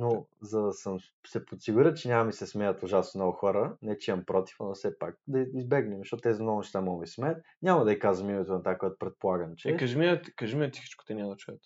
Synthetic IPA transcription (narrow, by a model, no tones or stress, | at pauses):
nozɐd̪ɐsəm | sɛpot̪siɡʊɾət͡ʃɛnʲamɐmisɛsmɛjət̪ʊʒasnɔɡʊxɔɾənɛt͡ʃɛɐmpɾɔt̪i̥fɐmɐfsɛpak̚d̪ɐizbɛɡnɛmzʃtɔt̪t̪ɛzɐnɔɡʊnɛʃt̪amɔmismɛət̪̚ | nʲamɐd̪ɐikazvɐmimɛt̪onɐt̪akoɛt̪ʊ̥pɾɛt̪̚polˠaɡənt͡ʃɛɛkɐʒɛmiɛkɐʒɛmiɛtsixi̥t͡ʃko̥t̪ɛnʲamd̪ɐt͡ʃuɛt̪